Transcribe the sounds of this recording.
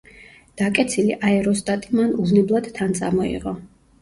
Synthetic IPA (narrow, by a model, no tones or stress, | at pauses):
d̪̥akʼɛt̪sʰiliʔaɛɾɔst̪ʼat̪ʼimanuvnɛblˠad̪̥t̪ʰant̪sʼa̰mɔḭʁɔ